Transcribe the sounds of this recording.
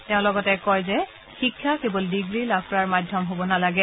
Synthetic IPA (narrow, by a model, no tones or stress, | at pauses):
tɛʊ̃lɔɡɔtɛkɔjzɛ | xikʰːakebɔldiɡɹilab̚pɔɹaɹmadʱjɔmɦobɔnalaɡɛ